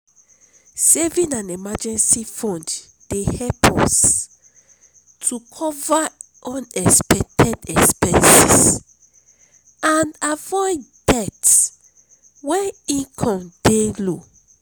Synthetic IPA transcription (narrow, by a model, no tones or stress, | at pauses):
sɛvĩnãnemad͡ʒɛ̃nsifɔ̃nd | d̥ehɛpʰɔs | tʰukʰɔva | ʔɔ̃nɛkspɛk̚tʰɛdɛkspɛ̃nsḭs | anavɔɪddɛts | wɛ̃ĩkʰɔ̃mdelo